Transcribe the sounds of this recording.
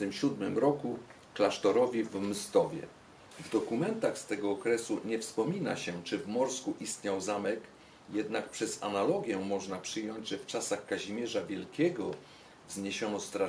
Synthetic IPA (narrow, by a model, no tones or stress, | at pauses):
t̪ɘmɕud̪mɘmɾɔku | klaʂt̪ɔɾɔvʲivmst̪ɔvʲjɛ̰ | vd̪ɔkumɛnt̪axst̪ɛɡɔːkɾɛsuɲɛfspɔmʲina̰ɕɛt͡ʂɘvmɔɾskuʔist̪ɲawzamɛk | jɛd̪nakpʂɛza̰nalɔɡʲjɛmɔʐnapʂɘjɔɲd͡ʑʐɛft͡ʂasaxkaʑimʲjɛʐavʲjɛlkʲɛɡɔ | vzɲeɕɔnɔst̪ɾa